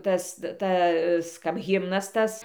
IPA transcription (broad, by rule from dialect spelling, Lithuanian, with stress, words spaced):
ˈtɐs ˈtɐs kɐp ˈɣʲɪmnɐs ˈtɐs